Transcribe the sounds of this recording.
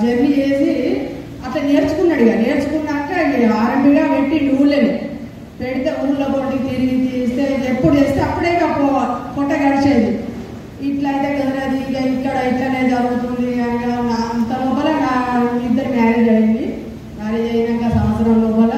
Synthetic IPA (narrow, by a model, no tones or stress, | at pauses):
d͡ʒeɾbit͡ʃeːsi | ɐt̪ɐneːɾt͡ʃu̥kunːɐɽiɡane̞ːɾt͡ʃukunːaɐɳʈeɐnːiaːɾɐmbiɡaːʋeʈːinuːɾleːni | peɽit̪eːuːɾloːt̪oʈːit̪iɾiɡit̪iːst̪eːepːuɽut͡ʃeːst̪eɐpːuɽeːnɐpːuɽukɔʈːɐɡɐɽit͡ʃeːd̪i | iʈlɐjt̪eːkɐd̪ɐnɐd̪iɡɐikːɐɽɐik̪ːɐneːd͡ʒɐɾuɡut̪und̪iɐnianant̪ɐlɔːpɐlɐnaːid̪ːɐɾinaːɾid͡ʒɐɽind̪i | naːɾid͡ʒɛːjɐnɐŋkasɐmɐt̪sɐɾɐmlɔːpɐlːɐ